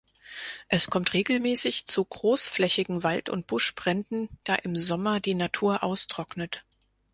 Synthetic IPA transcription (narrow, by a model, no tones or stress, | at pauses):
ʔɛskʰɔmtʁeːɡl̩mɛːsɪçt͡suɡʁoːsflɛçɪɡŋ̩valtʊ̰nt̚b̥ʊʃb̥ʁ̥ɛndn̩d̥aːʔɪmzɔmɐdiːnatʰuːɐʔaʊstʁ̥ɔknət